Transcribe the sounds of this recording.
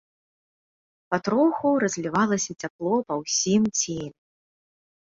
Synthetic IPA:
pat̪ɾɔxuɾɐzʲvʲivalˠɐsʲɐt͡sʲaplˠɔpɐwsʲimt͡sʲelʲɛ

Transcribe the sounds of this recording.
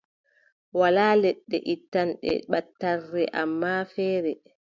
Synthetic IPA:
walaːlɛɗːɛ̰ʔitːanɗɛ̰ɓatːarːɛʔamːafɛːɾɛ

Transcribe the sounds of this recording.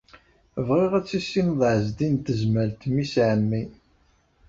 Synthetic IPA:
vʁiʁæt͡sːisːinðˤʕəzd̪int̪əzməlt̪misʕəmːi

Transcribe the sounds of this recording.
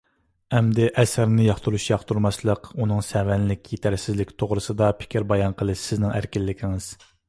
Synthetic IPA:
ɛmd̪ɪʔɛsɾnɪjɑχt̪ʰuɾuʃjɑχt̪uɾmɑslˠəqunɨŋsɛvɛnlɪkʲjet̪ʰæɾsɪzlɪkʲt̪ʰoʁɾɨsɨd̪ɑpʰɪ̥kʲʰiɾbɑjɑnqʰəlˠɨʃsɪznɪŋæ̰ɾkʲilːɪkʲʰiŋɪz̥

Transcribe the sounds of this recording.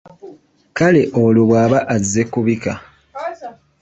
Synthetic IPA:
kale̞ʔoluβwaːβaʔazːekuβika

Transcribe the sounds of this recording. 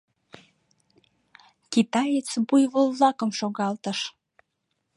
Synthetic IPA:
kit̪ɑjet͡sbujβolβlɑkəmʃoɣɑlt̪əʃ

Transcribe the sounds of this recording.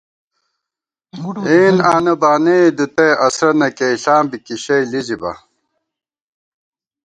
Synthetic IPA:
eːnaːnɐbaːned̪ut̪ɐjʔɐsɾɐnɐkeiɬaːmbikiɕɐjlizibɐ̰

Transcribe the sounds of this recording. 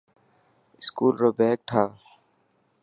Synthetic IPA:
ɪskuːlɾoːbeːk̚ʈʰaː

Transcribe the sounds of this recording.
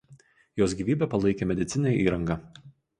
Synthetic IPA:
joːsɡʲiːʋʲiːbʲepɐlˠɐɪkʲemʲɛd̪ʲɪt̪sʲɪnʲeːiːɾɐŋɡɐ

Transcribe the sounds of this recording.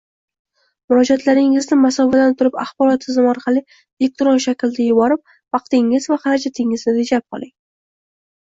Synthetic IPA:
mʊɾɒd͡ʒat̪laɾɪŋɪznɪmasɒvad̪ant̪ʰʊɾɪpaχbɒɾɒt̪̚ːʰɪzɪmɒɾqʰɑlˠɪ | ek̚t̪ɾɒnʃakʲld̪ajʊbɒɾɪp̚ | vɑqt̪ɪŋːɪzvaχɑɾad͡ʒat̪ʰɪŋɪznɪɾed͡ʒap̚qʰɒ̰lˠɪŋ

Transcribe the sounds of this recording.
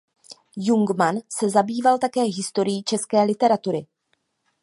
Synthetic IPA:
juŋɡmansɛzabiːvalt̪akɛːɦɪst̪o̞ɾɪjiːt͡ʃɛskɛːlɪt̪ɛɾat̪uɾɪ

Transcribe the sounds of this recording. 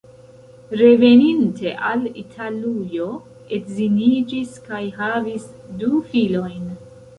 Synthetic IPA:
ɾe̞ve̞nintʰe̞ʔalitʰalujo̞ | etzinid͡ʒiskajɦavis | dufilo̞jn

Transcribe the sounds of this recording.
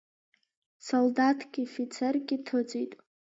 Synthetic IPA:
soldatʰɡʲifit͡sʰerɡʲɪtʰot͡sʼitʼ

